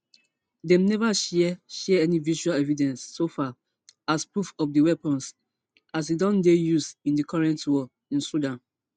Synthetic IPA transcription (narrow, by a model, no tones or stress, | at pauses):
dɛ̃mnɛvaʃɛʃɛɛniviʃualɛvidɛ̃nsːofa | aspɹufɔpdiwɛpɔ̃ns | as̬idɔ̃ndejusĩndikʰɔɹɛ̃ntwɔ | ĩnsudãn